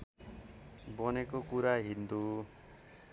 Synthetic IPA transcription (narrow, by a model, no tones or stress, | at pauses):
bʌnekokuɾaɦind̪u